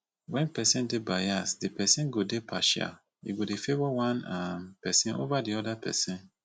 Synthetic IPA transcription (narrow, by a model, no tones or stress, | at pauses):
wɛ̃npɛsĩndebajasdipɛsĩnɡodepʰaʃia̰ | ḭɡodefevɔwãnampɛsĩnʔo̰vadiɔdapʰɛ̰sĩn